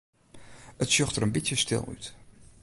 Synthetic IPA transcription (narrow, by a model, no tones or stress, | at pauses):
ətsjøxtəɾənbitjəstɪ̰lˠy̰t